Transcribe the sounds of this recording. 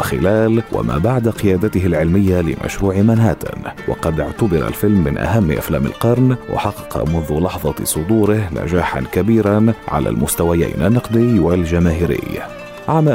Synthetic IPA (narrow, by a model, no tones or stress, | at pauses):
xɪlaːlwa̰ma̰ːbaʕd̪aqɪjaːd̪at̪ɪhɪlʕɪlmɪjːalɪ̰mʔa̰ʃɾuːʕɪmanhaːt̪ɪ̰nwɑ̰qɑd̪ʔʊʕt̪abɑɾˤa̰lfɪlmːɪnʔa̰ɦamːʔa̰flaːmɪ̰lqɑɾˤnwʔɑ̰ħɑqːɑ̥qɑ̰mʊnðʊlɑħðˤɑsˤʊd̪uːɾɪhna̰d͡ʒaːħa̰nkabiːɾanʕa̰la̰ːlmʊst̪awaja̰ːnʔanːɑqd̪ɪjwald͡ʒamaːɦɪɾɪ̰j | ʕama